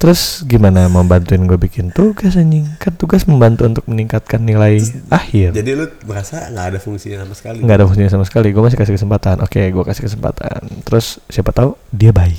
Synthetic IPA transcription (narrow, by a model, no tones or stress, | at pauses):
t̪əɾʊsɡimanaməmbant̪uɪnɡuabikɪnt̪uɡas̬əɲiŋkant̪uɡasməmbant̪uunt̪ʊk̚məniŋkat̪̚kanːilaiahɪrd͡ʒadilʊbəɾasaŋɡaːdafuŋsiɲasamasə̥kaliŋɡaːdafuŋsiɲasamasə̥kaliɡuamas̬ikasɪhkəsəmpat̪anʔo̰keɡuakasɪhkəsəmpa̰t̪a̰nt̪əɾʊssiapat̪audiabaɪk